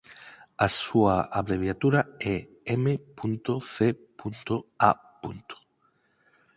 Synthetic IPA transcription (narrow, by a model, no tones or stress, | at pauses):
asuaaβɾeβ̞jat̪uɾaɛ | emepunt̪oθepunt̪oa̰ | punt̪o̥